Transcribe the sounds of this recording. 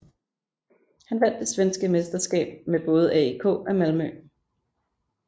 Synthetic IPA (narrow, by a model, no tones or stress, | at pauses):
hænʋæn̰d̥ːe̝sʋensɡ̥əme̝sd̥ɐsɡ̥ɛ̰ːb̥̚meb̥ɔ̽ːð̞̩ˠæikʰɔ̰̽ːæmælmœ